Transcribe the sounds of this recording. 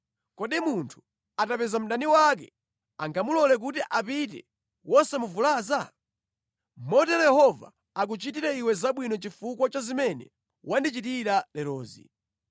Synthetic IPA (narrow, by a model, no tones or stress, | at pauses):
kɔɗimuntʰu̥ | atapɛzam̩ɗaniwak̬ɛ̰ | aŋɡamulɔlɛk̬utiʔapit̬ɛ̰ | wɔsɛmuvulaːza | mɔtɛjɛhɔva̰ː | k̬ut͡ʃit̬iɾɛiwɛzaɓwinɔt͡ʃifuk̬wat͡ʃazimɛnɛ̰ | wandit͡ʃitiɾalɛɾɔːzḭ